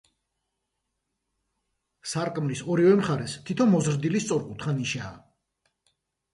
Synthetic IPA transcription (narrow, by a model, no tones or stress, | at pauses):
saɾkʼmlisɔɾivɛmχaɾɛst̪ʰit̪ʰɔnmɔzɾd̪ilist̪sʼɔɾkʼut̪ʰχaniʃaː